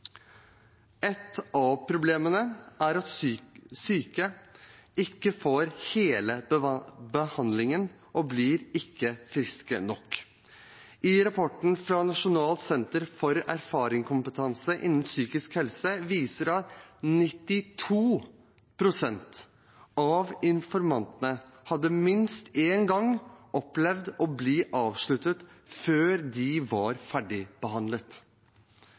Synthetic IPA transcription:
ɛt̪ɑʋpʰɾʊbleːmənəʔæɾɑt̪syːkə | ɪkːəfoːɾheːlə | bəhɑnd̪lɪŋən | ʔɔblɪːɾɪkːəfɾɪskə̰nɔkː | ɪɾɑpʰɔʈɳ̩fɾɑnɑʂʊnɑːlt̪sɛnt̪əɾfɔɾæɾfɑːɾɪŋkʰʊmpət̪ʰɑnsəʔɪ̰nːn̩syːkɪskhɛlsəʋiːsəɾɑt̪nɪt̪ːɪt̪ʰuː | pʰɾʊsɛnt̪ | ɑʋɪnfɔɾmɑnt̪ənəhɑd̪ːəmɪnst̪eːnɡɑŋʔɔplɛʋd̪ɔbliːʔɑːʋʂɭʉt̪ət̪ | føːɾd̪ɪʋɑɾfæɖɪb̥əhɑnd̪lət̪

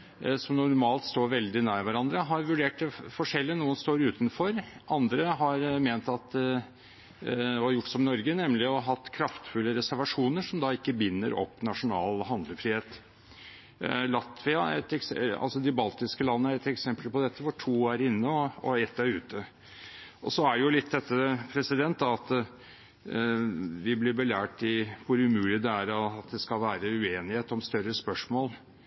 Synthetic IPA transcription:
sɔmnʊɾmɑːlt̪st̪oːɾʋɛld̪ɪnæːɾɪʋæɾɑnd̪ɾəɦɑɾʋʉɖeːʈ̚d̪ɛfɔʂɛlːɪənuːənst̪oːɾʉːt̪nfɔɾɑnd̪ɾəɦɑɾmeːnt̪ɑt̪ | ɔjʊʈːsɔmnɔɾɡənɛmlɪɔɦɑt̪ːkʰɾɑft̪fʉlːəɾɛsæɾʋɑʂuːnəʂɔmd̪ɑɪkːəbɪnːə̰ɾɔ̰pːnɑʂʊnɑ̰ːlɦɑnd̪ləfɾiːheːt̪ | lɑt̪ʋɪɑɛ̰t̪ɛksɑ̰lsɔd̪ɪbɑlt̪ɪskəlɑnːəæɾɛt̪ɛksɛmpəlpɔd̪ɛt̪ʰːəʋʊʈʰuːæɾɪnːəɔɔɛt̪ːæɾʉːt̪ə | ʔɔsɔæɖɛjʊlɪt̪̚ːd̪ɛt̪ːəpʰɾɛsɪd̪ɛnt̪̚d̪ɑɑt̪ | ʋɪblɪɾbəlæːʈɪʋʊɾʉmʉːlɪd̪ɛæɾɑt̪̚d̪ɛskɑlʋæːɾəʉeːnɪheːt̪ɔmst̪œɾəspœʂmoːl

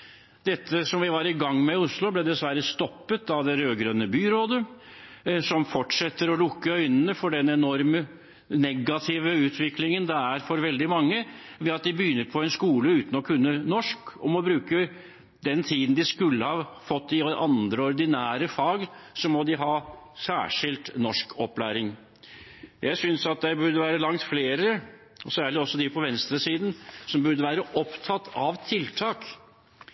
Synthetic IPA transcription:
d̪̥ɛt̪ʰːəsɔmʋɪʋɑɾɪɡɑŋːmɛʊslʊblɛd̪ɛsʋæɾəst̪ɔpːət̪ɑʋd̪ɛɾøːɡɾœnːəbyːɾoːd̪ə | sɔmfɔʈʂɛt̪ːəɾɔlʊkːəœʏnənəfɔɖɛnɛnɔɾmə | nɛɡːɑt̪ʰɪʋəʉːt̪ʰʋɪklɪŋənd̪ɛæɾfɔɾʋɛld̪ɪmɑŋːəʋɛɑt̪̚d̪ɪbəjʏːnːəɾpʰɔɛnskuːləʉːt̪n̩ɔkʰʉnːənɔʂkɔmɔbɾʉːkə | d̪ɛnt̪ʰiːd̪n̩d̪ɪskʉlːəhɑfɔt̪ːɪɔʔɑnd̪ɾəɔɾd̪ɪnæːɾəfɑːɡsɔmɔd̪ɪɦɑːsæ̰ːʂɪlt̪nɔʂkʰɔplæ̰ːɾɪŋ | jæɪsʏnsɑt̪̚d̪ɛbʉɖ̪əʋæːɾəlɑŋt̪fleːɾə | ɔsæːɭɪɔsːɔd̪ɪpʰɔʋɛnst̪ɾəsiːd̪n̩sɔmbʉɾd̪əʋæːɾəʔɔpt̪ʰɑt̪ʰːɑʋt̪ʰɪlt̪ʰɑːk

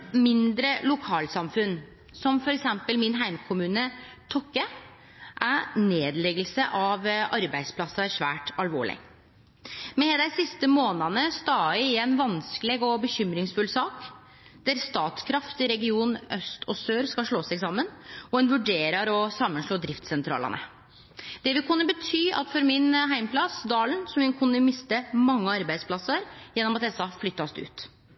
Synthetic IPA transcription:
mɪnd̪ɾəlʊkʰɑːlsɑmfʉn | sɔmfɔɾɛksɛmpəlmɪnɦæɪmkʰʊmʉːnə | t̪ʰɔkːə | ʔæneːd̪lɛɡəlsəʔɑʋɑɾbæɪspʰlɑsːɑʂʋæ̰ːʈɑlʋo̰ːɭɪ̰ | mɛd̪æɪsɪst̪əmoːnɑnəst̪ɑːɪɪɛnʋɑnskəlɛːɡɔbəçʏmɾɪŋsfʉlsɑːk | d̪̥æɾst̪ɑːt̪skʰɾɑft̪ɪɾɛɡɪuːnœst̪ʰɔsøːɾskɑlʂɭoːsæɪɡsɑmːənɔɛnʋʉɖeːɾɑɾɔsɑmːənʂɭoːd̪ɾɪft̪sɛnt̪ʰɾɑ̰ːlɑ̰nə̰ | d̪̥ɛʋɪlkʰʉnːəbət̪ʰyːʔɑ̰t̪fɔɾmɪnɦæɪmpʰlɑsd̪ɑːlənsɔmɛnkʰʉnːəmɪst̪əmɑŋːəɑɾbæɪd̪spʰlɑsəɾjɛnːɔmɑt̪d̪ɛsɑflʏt̪ːɑst̪ʉ̰ːt̪

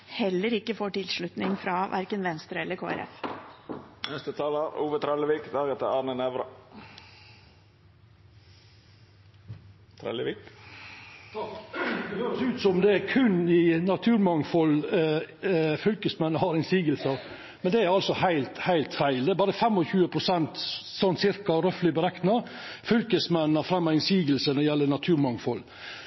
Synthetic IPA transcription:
hɛlːəɾɪkːəfoːʈɪlʂɭʉt̪nɪŋfɾɑʋʔæ̰ɾkənʋɛnst̪ɾəɛlːəɾkʰo̰ːæ̰ɾɛ̰f | nɛst̪ət̪ʰɑːləɾuːʋət̪ʰɾɛləʋiːkd̪ɑːɡət̪ʰɛɑnənɛʋɾə | t̪ʰɾɛ̰ləʋik | høːɾsʉːt̪sɔmd̪ɛæɾkʰʉnːɪnɑt̪ʰʉːɾmɑŋfɔl | fʏlkəsmɛnːəhɑɾɪnsiːɡəlsə | mɛnd̪ɛæɾɑlsɔhæɪlt̪hæɪlt̪fæɪld̪ɛæɾbɑːɾəfɛmːɔçʉːəpʰɾʊsɛnt̪sɔnt̪sɪɾkɑɾœflɪbəɾɛknɑ | fʏlkəsmɛnːɑɾfɾɛmːɑɾɪnsiːɡəlsənɔjɛlːənɑt̪ʰʉːɾmɑŋfɔl

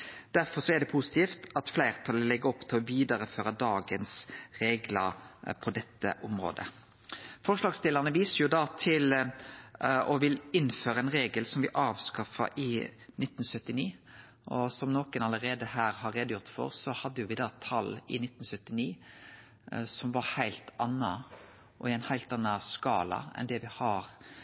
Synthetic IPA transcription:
d̪̥æɾfɔɾsɔɛd̪ɛpʰusɪ̥t̪iːft̪ɑt̪flæɪʁt̪ʰɑlːəlɛɡːəɔpːt̪ʰɪlɔʋiːd̪ɑɾəføːɾəd̪ɑːɡənsɾeːɡləɾpʰɔd̪ɛt̪ːə̰ʔʊmʁo̰ːd̪ə̰ | fɔʂlɑːɡst̪ɪləʁnəʋiːsəɾjʊd̪ɑːt̪ʰɪl | ɔʋɪlɪnføːɾəɛnɾeːɡəlsɔmʋɪʔɑːʋskɑfɑ̰ʔɪnɪt̪ːn̩sœt̪ːɪniː | ʔɔsɔmnoːkənɑləɾeːd̪əhæːɾhɑɾːeːd̪əjʊʁt̪fɔ̰ʁsɔhɑd̪ːəjʊʋɪd̪ɑːt̪ʰɑlɪ̰nɪt̪ːn̩sœt̪ːɪniː | sɔmʋɑɾhæɪlt̪ɑnːɑ | ʔɔɪæɪnhæɪlt̪ɑnːɑskɑ̰ːlɑ̰ɛ̰nd̪ɛʋɪhɑɾ

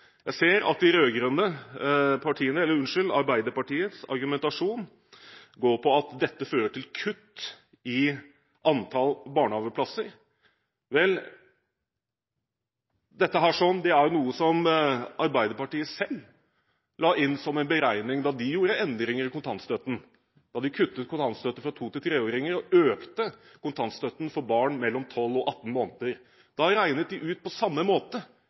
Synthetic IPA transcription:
jæɪseːɾɑ̰t̪ɪɾøːɡɾʉnːə | pʰɑʈʰiːənəɛlːəɾʉnʂɪlɑ̰ɾbæɪd̪əɾpɑʈiːət̪sɑ̰ɾɡʉmɛnt̪ɑʂuːn | ɡoːɾpʰɔɑt̪d̪ɛt̪ːəføːɾəʈʰɪlkʰʉt̪ː | ɪ | ʔɑnt̪ʰɑlbɑːɳəhɑːʋəpʰlɑsːəɾ | ʋɛl | d̪ɛt̪ːəɦæːʂɔnd̪ɛæjnuːəsɔmʔɑɾbæɪd̪əɾpɑʈiːəsɛlː | lɑːɪnːsɔmɛɪnbəɾæɪnɪŋd̪ɑd̪ɪjuːɾəɛnd̪ɾɪŋəɾɪkʰʊnt̪ʰɑnt̪st̪œt̪n̩ | d̪ɑd̪ɪkʰʉt̪ːət̪̚kʊnt̪ʰɑnst̪œt̪əfɾɑt̪ʰuːt̪ɪt̪ʰɾeːoːɾɪŋəɾɔøːkt̪ə | kʊnt̪ʰɑnst̪œt̪n̩fɔɾbɑːɳmɛlːɔmt̪ʰɔlːɔʔɑt̪ːn̩moːnət̪əɾ | d̪̥ɑɾæɪnət̪̚d̪ɪʔʉːt̪̚pʰɔsɑmːəmoːt̪ə

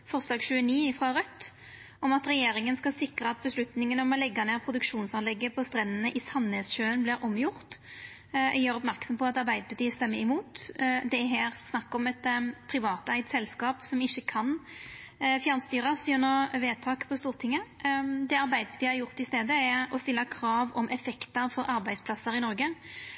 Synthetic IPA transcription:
fɔʁslɑːɡɕʉːəniːɪfʁɑːʁœt̪ː | ɔmɑt̪ɾɛjeːɾɪŋənskɑlsɪkɾəɑt̪̚bəslʉt̪nɪŋənɔmɔlɛɡːɑneːʁpʰʁʊd̪ʉkʂuːnsɑnlɛɡːəpʰɔst̪ɾɛnːənəʔɪsɑnhɛsɕøːənblɪɾʔɔmjʊʁt̪ | jøːɾɔp̬mæʁksɔmpɔɑt̪ɑɾbæɪd̪əpɑt̪iːəst̪ɛmːəɾɪmuːt̪d̪ɛæɦæːɾsnɑkːɔmɛt̪pʰɾɪʋɑːt̪æɪt̪sɛlskɑːpsɔmɪçːəkʰɑn | fjæɾnst̪yːɾɑsjʉnoʋeːt̪ʰɑːkpʰɔst̪uːʁt̪ʰɪŋːəd̪ɛɑɾbæɪd̪əbə̥t̪ʰiːəhæɾjʊʁt̪ɪst̪eːd̪əɛɔst̪ɪlːɑkʰɾɑːʋɔmʔɛfɛkt̪əɾfɔɾʔɑɾbæɪd̪spʰlɑsːəɾɪnɔɾɡə

